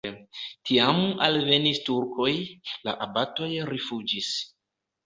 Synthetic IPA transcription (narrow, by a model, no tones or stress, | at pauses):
tʰiamalve̞nistuɾkʰo̞jla̰ʔabato̞jɾifud͡ʒis